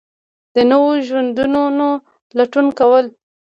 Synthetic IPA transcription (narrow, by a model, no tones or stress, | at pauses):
d̪̥ənəwoʒwand̪unono | laʈunkawəl